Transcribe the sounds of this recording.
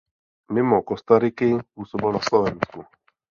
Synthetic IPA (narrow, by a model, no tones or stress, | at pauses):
mɪmɔkɔst̪aɾikɪusɔbɔnaslɔvɛnsku